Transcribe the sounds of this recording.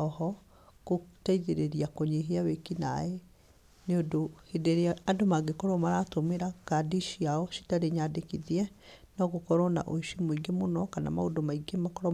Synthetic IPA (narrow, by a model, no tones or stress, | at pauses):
ɔhɔ | kotaiðeɾeɾiakoɲeɦeawekina̰e | neodohedeɾeaadomaɡekɔɾɔmaɾatomeɾakadiʃiaɔʃi̥taɾeɲadekiðiɛnɔɣokɔɾɔna̰ʔo̰ʃimoiɡemonɔkana̰ma̰odomaiɡemakɔɾɔ